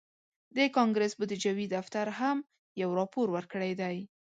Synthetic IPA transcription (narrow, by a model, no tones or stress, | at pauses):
d̪əkɑŋɡɾəsbʊd̪əd͡ʒawid̪aft̪aɾɦam | jawɾɑpoɾwəɾkəɽajd̪aj